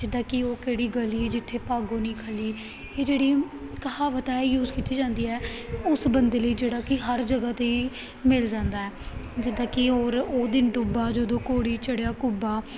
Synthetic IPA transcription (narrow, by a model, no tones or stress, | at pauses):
d͡ʒɪd̪aːkɪoːkeːɽiːɡəliːd͡ʒɪt̪ʰːeːpaːɡõːnĩːkʰəliː | eːd͡ʒeːɽiːkəɦaːʋət̪aːijuːzkiːt̪iːd͡ʒãːnd̪iːɛːʊsbənd̪eːləiːd͡ʒeːɽaːkɪɦəɾd͡ʒəɡaːt̪eiː | mɪld͡ʒãːnd̪aːɛːd͡ʒɪd̪aːkɪoːɾoːd̪ɪnɖʊbaːd͡ʒəd̪õːkoːɽiːt͡ʃəɽejaːkʊbaː